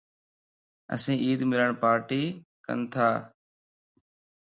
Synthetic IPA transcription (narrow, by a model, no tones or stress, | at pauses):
ə̰sĩːʔiːd̪mɪləɳpaːɾʈiːkə̰nt̪ʰaː